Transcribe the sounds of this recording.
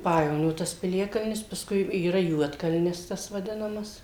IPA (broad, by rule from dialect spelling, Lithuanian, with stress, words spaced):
ˈpɑːjɛʋoːnʲoː tɐs pʲɪˈlʲæːkɐlʲnʲɪs pɐˈskʊɪ iːˈrɐ ˈjuɔtkɐlʲnʲɪs ˈtɐs ʋɐˈdʲɪnɐmɐs